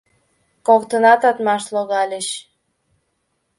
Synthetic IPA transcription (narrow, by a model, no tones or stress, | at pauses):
kokt̪ənɑt̪ɑt̪mɑʃloɣɑlʲəɕ